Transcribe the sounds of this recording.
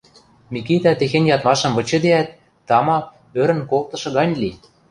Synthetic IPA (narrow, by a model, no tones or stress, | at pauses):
mikit̪æt̪exenʲjɑt̪mɑʃɤ̆mβɤ̆t͡ɕɤ̆d̪eæt̪ː | ɑmɑ | øɾə̆nkolt̪ɤ̆ʃɤ̆ɣɑnʲli